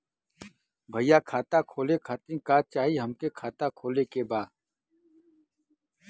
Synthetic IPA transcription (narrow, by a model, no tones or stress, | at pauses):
bʱɐijaːkʰaːt̪akʰoːlekʰaːt̪ĩkaːt͡ʃaːɦiɦɐmkekʰaːt̪akʰoːlekebaː